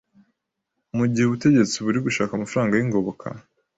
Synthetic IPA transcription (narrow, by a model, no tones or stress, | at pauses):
muɟiheβute̞ɟe̞t͡siβuɾiɡuʃaːkamafɾaːŋɡajiŋɡo̞βokʰa̰